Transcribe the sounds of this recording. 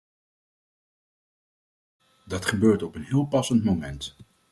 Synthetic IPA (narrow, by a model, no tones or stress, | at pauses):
dɑtχəbøːɹtɔpənɦɪːlˠpɑsəntmowmɛnt